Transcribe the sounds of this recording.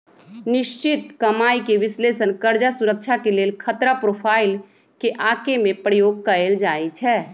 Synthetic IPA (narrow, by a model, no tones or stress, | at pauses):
nɪʃt͡ʃɪt̪kɐmaːikeʋɪsleːsənkəɾd͡ʒasʊɾək̚t͡ʃʰakeleːlkʰət̪ɾapɾoːpʰaːɪl | keʔãːkemẽpɾəjoːɡ̚kəɾeld͡ʒaːit͡ʃʰɛː